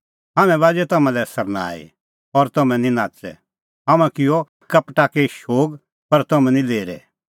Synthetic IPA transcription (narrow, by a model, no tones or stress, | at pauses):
ɦaːmɛ̃ʋaːd͡ʒɛt̪ɐmãlɛsɐɾna̰ːḭ | ɔɾt̪ɐmɛ̃nĩnaːt͡sɛ̰ | ɦɐmãkɪjɔ | kɐpʈaːkɛʃoːɡ | pɐɾt̪ɐmɛ̃nĩleːɾɛ̰